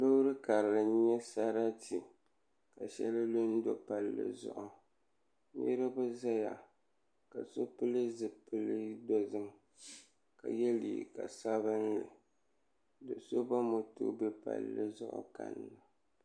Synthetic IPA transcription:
lo˦ɾɨ˦ka˨ɾlɨ˨˦ɲɛ˦sa˦ɾa˦ti˨ | ka˨ʃɛ˦lɨ˦lo˦n˦do˨pa˨lːɨ̰˦zʊ̰˦˨ʔʊ˨ | nɪ̰˦ɾɨ˦bɨ˦za˦ja˨ | ka˨so˦pɨ˦lɨ˦zɨ˨pɨ˦lɨ˦dɔ˦zɨ˦m | ka̰˨jɛ˦lḭ˨ka̰˨sa˦βɨ˦n˦lɨ̰˨ | dɨ˨so˦ba˦mo˨tʊ̰˦bɛ˦pa̰˨lːɨ̰˦zʊ̰˦ʔʊ̰˨ka̰˨nlɨ˨

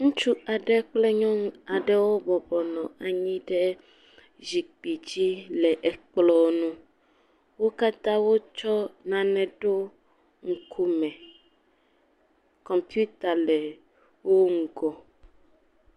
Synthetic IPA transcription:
ŋũ˦t͡ʃu˦a˨ɖɛ˦k͡plɛ˦ɲɔ̃˦ŋ˦a˨ɖɛ˦wo˦bɔ˨bɔ˨nɔ̃˨a˨ɲĩ˦ɖɛ˦ | zi˨k͡pi˨d͡ʑi˦lɛ˨ʔɛ˨k͡plɔ˦nũ˦ | wo˦ka˦t̪ã˦wo˦t͡ʃɔ˦nã˨nɛ̃˨ɖo˦ | ŋ̩˨kʰu˦mɛ̃˨ | kɔ̃˨mpju˦t̪a˨lɛ˨ | wo˦ŋ̩˨ɡɔ˨

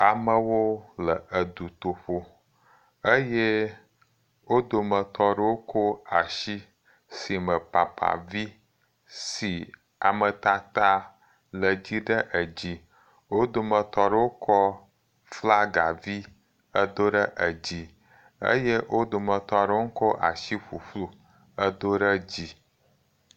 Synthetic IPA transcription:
a˨mə˦wo˦lə˨ə˨d̪u˨t̪o˨ɸo˦ | ə˦je˦ | wo˦d̪o˨mə̃˨t̪ɔ˨ɖə˦wo˦kʰo˦a˨ʃi˦ | si˨mə˨pa˨pa̰˨vi˦ | si˨ | a̰˨mə˨t̪a˦t̪a˦ | lə˨d͡ʑi˦ɖə˦ʔə˨d͡ʑi˦ | wo˦d̪o˨mə̃˨t̪ɔ˨ɖə˦wo˦kʰɔ˦ | fla˦ɡa˨vi˦ | ə˦d̪o˦ɖə˦ʔə˨d͡ʑi˦ | ə̰˦je˦wʔo˦d̪o˨mə̃˨t̪ɔ˨ɖə˦wo˦ŋ̩˦kɔ˦ʔa˨ʃi˦ɸu˨ɸlu˦ | ə˦d̪o˦ɖə˦d͡ʑi˦

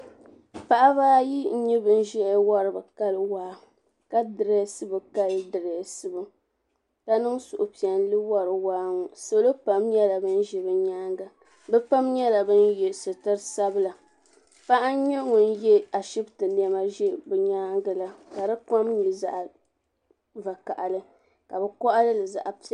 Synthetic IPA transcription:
pa˨ʔa˦baː˦ji˦ɲi˦bɨ˨n̩˦ʒɛ˦wa˦ɾɨ˨bɨ˨ka˦lɨ˦waː˦ | ka˦dɨ˨ɾe˦sɨ˦bɨ˨ka˦lɨ˦dɨ˨ɾɛ˨sɨ˦bɨ˨ | ka˨nɨ˦ŋsʊ˨ʔʊ˨pi˨ɛ˨n˦lɨ˦wa˦ɾɨ˨waː˦ŋɔ˨so˨lo˦pa˦mɲɛ˦la˨bɨ˦n̩˦ʒɛ˦bɨ˦ɲaː˦ŋɡa˨ | bɛ˦pa˦mɲɛ˦la˨bɨ˦n˦je˨sɨ˨tɨ˦ɾsa˦bɨ˦la˨ | pa˦ʔa˦n˦ɲo˦ŋʊ˨n̩˦jɛ˦a˨ʃi˦btɨ˨n˦ɛ˦ma˦ʒɛ˦bɨ˨ɲaː˦ŋɡɨ˨la˦ka˨dɨ˦ka˦mɲi˨za˨ʔ | va˨ka̰˨ʔa˨lɨ˦ | ka˨bɛ˨kɔ˦ʔa˦lɨ˦lɨ˨za̰˨ʔa˨p

